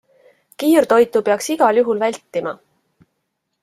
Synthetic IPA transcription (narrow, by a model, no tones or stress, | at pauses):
kiːrt̪o̞jt̪ˑupeɑksiɡ̥ɑljuɦulvælʲt̪ːˑimɑ